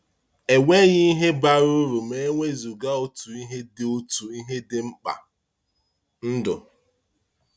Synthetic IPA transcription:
e˨wʷe˦ɣɪ˦i˦ɦe˦ba˦ɾu˦ɾu˨me˦ŋʷe˦zu˨ɡa˦o˦tu˨i˦ɦe˦dɪ˨o˦tu˨i˦ɦe˦dɪ˦ŋ͡m̩˦k͡pa̰˨ | n̩˦dʊ̰˨

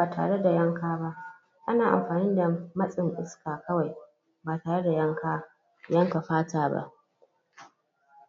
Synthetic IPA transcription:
aː˨tʰa̰ː˨ɽe˦da˨jɐ˦ŋkaː˦ba˦ʔ | ʔa˦naː˨ʔa̰˨mɸaː˨nɪ˦nda˨mɐ˦sʼɪ˨ŋʔɪ˦skaː˨kɐ˦wa˨j | baː˨taː˨ɽe˦da˨jɐ˦ŋkaː˦ | jɐ˦ŋka˨ɸaː˦taː˨ba̰˦ʔ

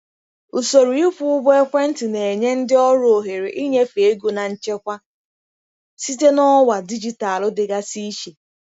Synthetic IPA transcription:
u˨so˨ɾu˨i˦fu˦ʊ˦be˦kʷe˦n̩˦tɪ˨ne˨e˨ɲe˦n̩˦dɪ˦ɔ˦ɾʊ˦˨o˨ɦe˨ɾe˨ʔi˦ɲe˦fe˨e˦ɡo˨na˨ɲ̩˨t͡ʃe˦kʷa˦ | si˦te˦nɔ˦wa˨di˦d͡ʒi˦ta˨lʊ˦dɪ˨ɡa˦si˦ʃe˨

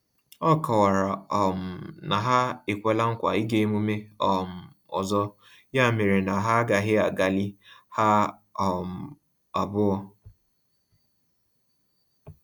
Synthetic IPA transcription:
ɔ˦kɔ˨wa˨ɾa˨ɔ˨m̩˨na˨ɦa˦e˨kʷe˨la˦ŋ̩˦kʷa̰˨i˦ɡe˦mu˦me˦ɔ˨m̩˨ | ɔ̰˨zɔ˦ | ja˦˨me˨ɾe˨na˨ɦa˦ɡa˨ɦɪ˦a˨ɡa˨li˦ha˦ | ɔ˨m̩˨ | a˨bʊ˦ɔ˦

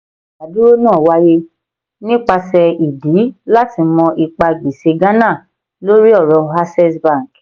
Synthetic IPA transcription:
a˨du˦o˦nãː˦˨wa˦je˧ | nĩ˦k͡pa˧sɛ˧i˨di˨˦la˦ti˧mɔ̃˧ʔi˧k͡pa˧ɡ͡bi˨se˧ɡã˦nã˦˨ | lo˦ɾi˦ɔ˦˨ɾɔ˨˧ɦa˦sɛ˦sbã˦˨ŋ˨k

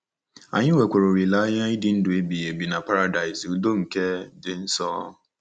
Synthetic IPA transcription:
a̰˨ɲɪ˦we˨kʷe˨ɾo˨ɾi˨la˦ja˦ɪ˦dɪ˨n̩˦dʊ˨e˦bi˨je˨bi˨na˨pa˦ɾa˨da˨ɪ˨zu˦do˦ŋ̩˨ke˦dɪ˨n̩˦sɔː˦

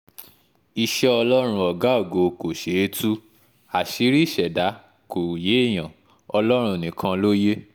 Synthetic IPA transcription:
i˧ʃɛ˦ɔ˧lɔ˦ɾ̃ũ˧ɔ˨ɡa˨˦o˦˨ɡo˧ko˨ʃe˨˦e˧tʰu˦ | a˨ʃi˨˦ɾi˦˨ʃɛ˨da˨˦ | ko˨je˨˦i˦˨j̃ã˨ | ɔ˧lɔ˦ɾ̃ũ˧˨nĩ˨kʰã˧lo˦je˦

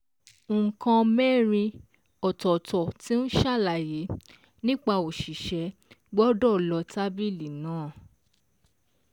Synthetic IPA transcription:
kã˧mɛ˦˨ɾĩ˧ | ɔ˨tɔ˨tɔ˨ti˨˦n̩˦ʃa˦˨la˨je˨˦ | nĩ˦k͡pa˧o˨ʃi˨ʃɛ˨˦ | ɡ͡bɔ˦dɔ˦˨lɔ˧˦ta˦bi˦˨li˨nãː˨˦˨

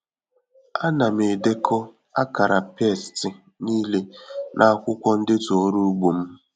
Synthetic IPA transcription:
a˦na˨me˨de˦kʰɔ˦ | a̰˦ka˨ɾa˨pe˦˨stɪ˨ | niː˦le˦nʔa˦a˦kʷʊ˦kʷɔ˦n̩˦dɪ˦to˨o˦ɾu˦ɡ͡bo˨m̩˦

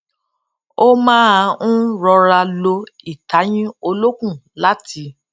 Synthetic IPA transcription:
o˦mãː˦a˧ũ˦ɾɔ˧ɾa˧lo˧i˨ta˨˦j̃ĩ˦o˧lo˦kũ˦˨la˦tʰi˧˦

